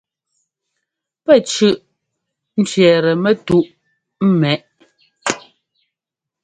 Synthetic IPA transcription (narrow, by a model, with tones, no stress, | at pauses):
pɛ˦˨t͡ʃʉ˦ʔ | n̩˦t͡ʃɥɛː˨ɾɛ˨mɛ˦tu˦˨ʔ | m̩˦mɛ˨ʔ